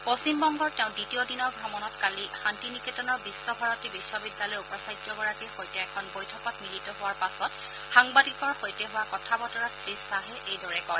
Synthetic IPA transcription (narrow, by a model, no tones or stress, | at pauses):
post͡ʃimbɔŋɡɔɹtɛʊ̃nditiodinɔɹɡʱɹɔmɔnɔtkalixantiniketɔnɔɹbisːɔbʱaɹɔtibisɔbidjalɔjupɔsajtjɔɡɔɹakixojtɛɛkʰɔnbojtʰɔkɔtnilitɔɦʊwaɹpasɔt | xaŋbadikɔɹxojtɛɦʊwakɔtʰabɔtɔɹatsɹisaɦɛʔejdɔɹɛkɔj